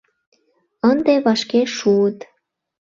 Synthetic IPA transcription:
ənd̪eβɑʃkeʃuət̪

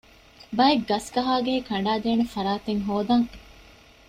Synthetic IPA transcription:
bɐeɡːɐskɐɦaːɡeɦekɐɳ̆ɖaːd̪eːnefɐɾaːt̪eŋɦoːd̪ɐŋ

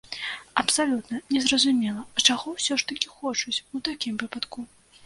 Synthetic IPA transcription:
ɐpsalʲut̪nɐnʲɛzrɐzumʲɛlˠɐt͡ʂaɣɔwsʲɔʂt̪ɐkʲixɔt͡ʂut͡sʲut̪akʲimvɨpɐt̪ku

